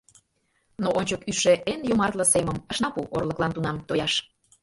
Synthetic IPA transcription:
noʔonʲt͡ɕəkyʃeʔenjomɑrt̪ləseməməʃnɑpuʔorlə̆klɑnt̪unɑmt̪ojɑʃ

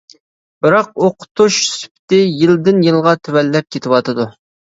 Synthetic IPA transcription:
b̥ɪɾɑq̚oqʰʊ̥t̪ʰuʃsy̥pʰt̪ɪjɪld̪ɪnjɨlˠʁɑt̪ʰywɛlːɛp̚kʲʰet̪ʰɪwɑt̪ʰɨd̪u

